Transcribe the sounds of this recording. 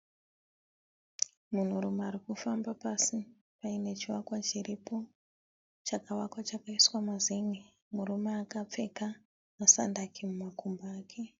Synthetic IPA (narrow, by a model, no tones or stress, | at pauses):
mun̤uɾumaaɾikufambapasi | paine̞t͡ʃiwakwat͡ʃiripo̞ | t͡ʃakawakwat͡ʃakaiswamazeŋe | muɾumeakap͡fe̞ka | masa̰ndakʰimumakumbaːkʰe̞